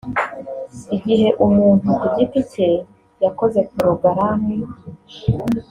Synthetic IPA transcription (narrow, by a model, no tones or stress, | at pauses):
iɡiɦe̞ʔumuːn̥uʔuɟipite | jako̞ze̞kuɾuɡaɾami